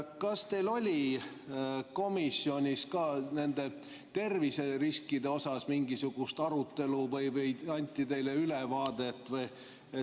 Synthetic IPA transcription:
kɑst̪e̞jlo̞lʲi | ko̞misːio̞nʲiskɑːne̞nd̪̥e̞ | t̪e̞rvise̞riskid̪e̞o̞sɑsmiŋɡ̥isuɡ̥ust̪ɑɾut̪ːˑe̞luvɤjvəjɑnʲt̪ːˑit̪e̞jle̞ylevɑːd̪̥e̞t̪ːˑvɤj | e

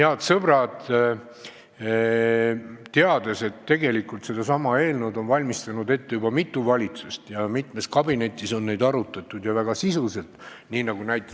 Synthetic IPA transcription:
heɑt̪sɤb̥rɑdt̪ | t̪eɑd̪̥e̞se̞t̪ːe̞ɡe̞likult̪se̞d̪̥ɑsɑmɑe̞ːlnud̪o̞nvɑlʲmist̪ɑnud̪e̞t̪ːe̞jub̥ɑmit̪ːˑuvɑlʲit̪sust̪jɑmit̪me̞skɑbine̞t̪ʲːˑiso̞nːe̞jd̪ɑɾut̪ːˑɑt̪ːˑud̪jɑvæɡ̥ɑsisuse̞lt̪ | niːnɑɡunæjt̪ːˑe

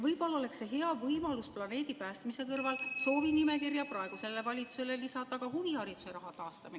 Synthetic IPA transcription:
vɤjpolːo̞le̞kse̞ɦe̞ɑvɤjmɑlusplɑne̞ːd̪̥ipæːst̪mise̞kɤrvɑlso̞ːvinime̞kirjɑprɑe̞ɡ̥use̞lːe̞vɑlʲit̪su̥se̞lelisɑd̪̥ˑɑkɑhuvihɑɾit̪useɾɑɦɑt̪ɑːst̪ɑmine

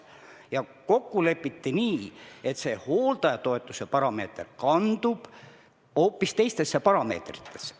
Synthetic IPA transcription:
jɑko̞kːule̞pːˑit̪ːiniːet̪se̞ho̞ːlt̪ɑjɑt̪o̞e̞t̪ˑːusepɑɾɑme̞ːt̪rkɑnd̪̥ub̥ | o̞ːpːˑist̪e̞jst̪e̞sːepɑɾɑme̞̰ːt̪rit̪ʰˑːe̞̥s

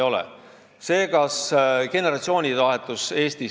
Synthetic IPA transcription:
o̞lɛ̰ | se̞ːkɑske̞neɾɑt̪sio̞ːnʲivɑɦet̪ːˑuse̞ːst̪i

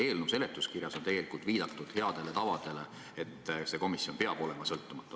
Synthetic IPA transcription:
e̞ːlnuse̞let̪ˑːuskirjɑsot̪eɡe̞likult̪viːd̪ɑt̪ːˑud̪̥he̞ɑd̪̥e̞le̞t̪ɑvɑd̪̥e̞le̞ | et̪ːse̞ko̞misjo̞npe̞ɑb̥o̞lɛmɑsɤlt̪ːˑumɑt̪ːˑu

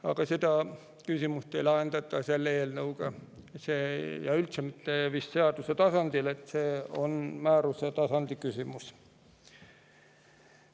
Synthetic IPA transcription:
ɑ̰ɡ̥ɑsed̪ɑ | kysimust̪ejlɑend̪ɑt̪ːˑɑselːeːlnɤuɡ̥ɑsejɑylt̪semit̪ˑːeʋisːeɑd̪uset̪ɑsɑnd̪̥ile̞t̪ˑseːo̞nmæːɾuset̪ɑsɑnd̪̥ikysimus

